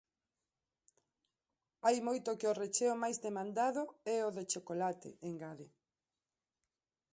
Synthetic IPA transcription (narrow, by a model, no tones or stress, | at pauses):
ajmojt̪ʊkɪoret͡ʃeʊmajzðemãnd̪aðʊɛoðet͡ʃokolat̪ɪ̰eŋɡaðɪ